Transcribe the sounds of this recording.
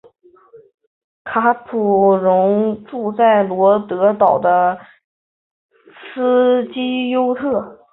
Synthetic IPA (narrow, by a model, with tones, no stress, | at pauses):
kʰa˧˥pʰu˨˩ɻʊ˧˥ŋʈ͡ʂu˥˧t͡sa˥˩ɪlwɔ˧˥t̪ɤ˧˥t̪ɑ˨˩ʊd̪ə˦ | sɹ̩˥t͡ɕi˥jo˥ʊt̪ʰɤ˥˩